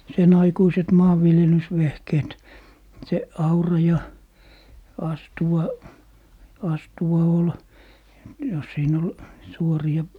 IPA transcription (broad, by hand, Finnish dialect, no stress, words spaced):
sen ɑikuiset mɑːʋːiljelysʋehkeːt se ɑurɑ jɑ ɑstuwɑ ɑstuwɑ ol jɑ siːn ol suoriɑ